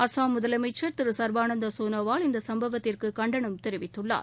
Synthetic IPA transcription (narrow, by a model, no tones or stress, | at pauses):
ɐsaːmʊðɐlɐmɐɪt͡ʃːɐɾt̪ɪɾɯsɐɾbaːnɐnd̪ɐsoːnɐʋaːlɪnd̪ɐsɐmbɐʋɐt̪ːɪrkɯkɐɳɖɐɳɯmt̪ɛɾɪʋɪt̪ːɯɭːa̰ːɾ